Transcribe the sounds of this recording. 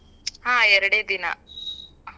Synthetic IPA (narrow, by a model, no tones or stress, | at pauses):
ɦãːɛɾɐɽeːd̪inɐ̰